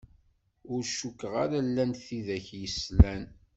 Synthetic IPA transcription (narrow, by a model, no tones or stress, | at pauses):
ʊɾʃukːəʁaɾalːænθiðæçjəslæn